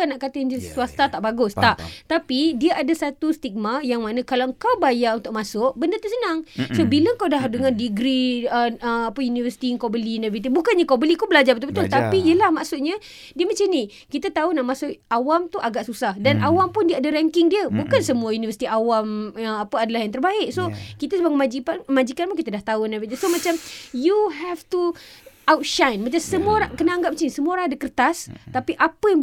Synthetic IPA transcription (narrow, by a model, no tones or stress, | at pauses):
anaʔkat̪ainəsuast̪at̪aʔbaɡʊst̪aʔt̪apidiəʔadasat̪ust̪iɡ̚majaŋmanə̃kalawəŋkawbajaʔunt̪ʊʔ̚masʊʔbəndət̪usənaŋsobiləŋkawdaɦdəŋãndiɡɾiəəapajunivərsi̥t̪iŋkobəliunavəsit̪̬ibukanɲakawbəlikubəlad͡ʒarbət̪ubət̪ʊlt̪apijəlahmaʔsʊt̪̚ɲa | diəmat͡ʃani | kit̪at̪aunaʔmasʊʔawamt̪uʔaɡaʔsusahdanʔawampʊndiəadaɾɛŋkɪŋdiəbukansəmuajunivəsi̥t̪iawamapəadalahɦjaŋt̪ərbaɪʔsokit̪asubaŋkəmãd͡ʒipanəmad͡ʒikanpʊŋkit̪adaht̪aunajvəit̪isomat͡ʃamjuɦɛft̪uawtʃajnmat͡ʃasəmuəoɾaŋkənaaŋɡapmat͡ʃanĩsəmuoɾãŋadakərt̪ast̪apiʔapəja